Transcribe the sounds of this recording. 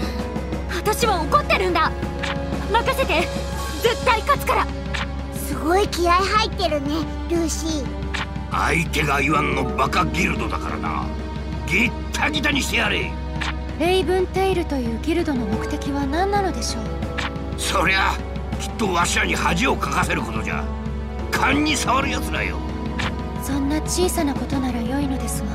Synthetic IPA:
βat̪aɕiβaoko̞t̪ːe̞ɾɯ̟̃nd̪a | makaset̪e̞ | d͡ze̞t̪ːaikat͡sɨ̥kaɾa | sɨɡo̞ikʲiaiɦait̪ːe̞ɾɯ̟ne̞ | ɾʲɯ̟ːɕi | a̰it̪e̞ɡaiβãŋːobakaɡʲiɾɯ̟d̪o̞d̪a̰ka̰ɾa̰na̰ | ɡʲit̪ʰːaɡʲit̪aɲiɕt̪ejaɾɯi | ɾe̞ibɯ̟̃nt̪e̞iɾɯ̟t̪o̞jɯ̟ːɡʲiɾɯ̟d̪o̞no̞mo̞kɯ̟̥t̪e̞kʲiβanãnːano̞d̪e̞ɕo̞ː | so̞ɾe̞a | kʲi̥t̪ːo̞βaɕiaɲihaʑio̞kʰakase̞ɾɯ̟ko̞t̪o̞d͡ʑa̰ | kʰãɲ̟ʲːisaβaɾɯ̟jat͡sɨd̪a̰jo̰ | sõ̞nːat͡ɕiːsanako̞t̪o̞naɾajo̞ino̞d̪e̞sɨɡa

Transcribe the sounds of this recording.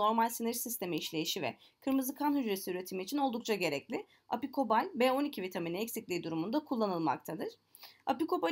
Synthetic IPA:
o̞ɾmalʲsinɛɾsist̪ʰe̞miːʃlʲe̞jiʃivɛ̰ | kʰɯɾmɯzɯkʰanhɦyd͡ʒɾesiyɾe̞t̪ʰimiːt͡ʃʰino̞lˠd̪uk̚t͡ʃʰaɟe̞ɾɛclʲɪ | a̰pikʰo̞balʲbeːo̞nicʰivit̪ʰaminiɛcsiclʲiːd̪uɾumund̪akʰulˠːanɯlˠma̰kt̪ʰad̪ɯɾ̥ | a̰piko̞ba

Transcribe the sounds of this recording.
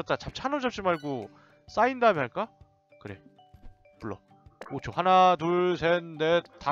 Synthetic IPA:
ʌt̚t͈at͡ɕap̚t͡ɕʰanod͡ʑʌp̚ɕ͈imaɭɡo | s͈aindaɦamʌnɦaɭk͈a | kɯɾe̞̰ | puɭːʌ | ot͡ɕʰohanatuɭsʰenːe̞ta

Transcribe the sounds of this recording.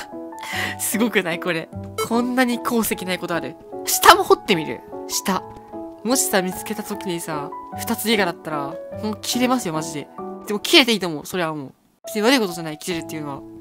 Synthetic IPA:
sɨɡo̞kɯ̟naiko̞ɾe̞kʰõ̞nːaɲ̟ikʰo̞ːse̞kʲinaiko̞t̪o̞aɾɯ̟ | ɕi̥t̪amo̞ho̞t̪ːe̞mʲiɾɯ̟̰ɕi̥t̪a | mo̞ɕi̥samʲit͡sɨ̥ke̞t̪at̪o̞kʲiɲ̟isaːɸɯ̟̥t̪at͡sɨeɡad̪at̪ːaɾahont̪okʲʰiɾe̞masɨjo̞maʑid̪e̞d̪̥emo̞kʲiɾe̞t̪eiːt̪omo̞ːso̞ɾe̞βamo̰ | bet͡sɨɲiβaɾɯ̟ikot̪o̞ʑanaikʲiɾe̞ɾɯ̟t̪ːe̞iɯ̟no̞βa̰

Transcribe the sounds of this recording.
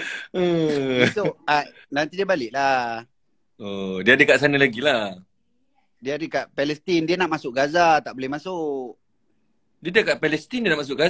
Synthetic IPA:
əsoʔa | lant̪idiəbalɪʔla | ədiəadəkaʔsanəlaɡila | diəadəkaʔpɛlɛst̪indiənaʔmasʊʔ̚ɡazat̪aʔbolɛhmasʊʔ | diədəkaʔpɛlɛst̪indiənaʔmas̬ʊʔɡa

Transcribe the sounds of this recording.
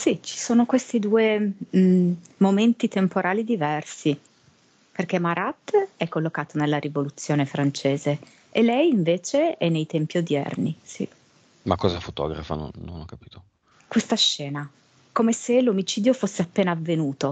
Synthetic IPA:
sit͡ʃi̥soːnokwest̪id̪uːe | moment̪it̪empoɾʔaːlid̪ivɛrsi | perk̟emaɾʔat̪ːɛkːolːokaːt̪onelːaɾivolut̪sːjoːnefɾant͡ʃeːze | elːɛjiɱveːt͡ʃeɛnːejt̪ɛmpiod̪jɛ̰rnisḭ | makːɔzafot̪ɔ̰ːɡɾa̰fa̰no̰nːo̰nɔkːapiːt̪o | kwest̪aʃːɛːna | komeselomit͡ʃiːd̪jofosːeapːeːnaːvːenuːt̪o

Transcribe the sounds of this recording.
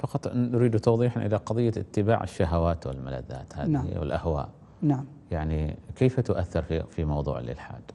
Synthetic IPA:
fɑqɑt̪ˤːɾiːd̪t̪ɑwðˤiːħanʔɪlaqɑðˤɨjːaʔɪt̪ːɪba̰ːʕɪ̰ʃːaɦawaːt̪wɪ̰lmala̰ðːa̰ːt̪haːwɪ̰lʔahwa̰ːʔ | naʕ | jaʕnikeːfat̪ʊʔaθːɪɾfifimɑwðˤṵːʕlɪ̰lħa̰ːd̪

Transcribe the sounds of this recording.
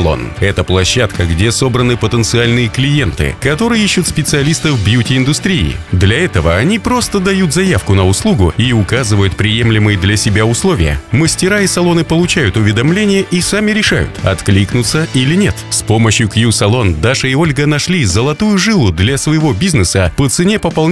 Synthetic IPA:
lˠo̞̰nɛt̪əplˠɐɕːat̪kəɡdʲe̞so̞bɾənɨpət̪ənt̪sɨalʲnɨjəklʲɪje̞nt̪ɨ̰kɐt̪o̞ɾɨjəiɕːʊt̪spʲɪt̪sɨɐlʲist̪əvbjutʲɪɪnd̪ʊst̪ɾʲiɪ̰d̪lʲɐɛt̪əvəɐnʲipɾo̞st̪əd̪ɐjut̪zɐjafkʊnəʊslˠuɡʊiʊkazɨvəjʊt̪̚pɾʲɪjemlʲɪmɨjəd̪lʲɐsʲɪbʲaʊslˠovʲɪ̰jə̰məsʲtʲɪɾaisɐlˠo̞nɨpəlˠʊt͡ɕæjʊt̪ʊvʲɪd̪ɐmlʲenʲɪjəʔisamʲɪɾʲɪʂa̰jʊ̰t̪ɐ̰t̪klʲiknʊt̪sːəʔilʲɪnʲet̪spo̞məɕjʊkjusɐlˠo̞nd̪aʂɨɪo̞lʲɡənɐʂlʲizəlˠɐt̪ujʊʐɨlˠʊd̪lʲɐsvəjɪvo̞bʲiznɨsəpət̪sɨnʲepəpɐlˠ

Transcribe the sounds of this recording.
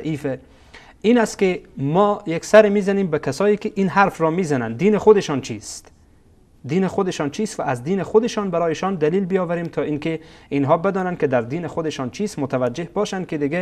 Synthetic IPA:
ʔiːfe | iːnæst̪̚kemɔjeksæɾemiːzæniːmbækʰæsɒːjikɪʔinɦaɾfɾɔmizænænd̪iːnexod̪eʃɒnt͡ʃʰist̪ | d̪iːnexod̪eʃɒːnt͡ʃʰist̪væʔːzd̪iːnexod̪eʃɒnbæɾɒːjeʃɔnd̪æliːlbijɒːvæɾiːmt̪ʰɒːiŋkeinɦɒːbed̪ɔːnænd̪kɪd̪æɾd̪iːnexod̪eʃɔnt͡ʃʰiːst̪mot̪ʰævæd͡ʒːehbɒːʃænd̪̚ked̪ɪɡe

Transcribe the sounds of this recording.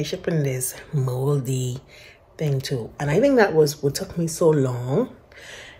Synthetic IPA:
ʃɪpɨ̃nðɪsmolˠdi | θɪ̃ŋtʰuə̃naɪθɪ̃ŋk̚ðəʔ̚wʌzwʌtʰʊk̚misoʊlɔ̃ŋ

